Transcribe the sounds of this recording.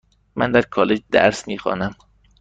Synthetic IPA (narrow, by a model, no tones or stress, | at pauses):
mæ̰nd̪æɾkʰɒːled͡ʒd̪æ̰ɾsmiːxɒ̰ːnæm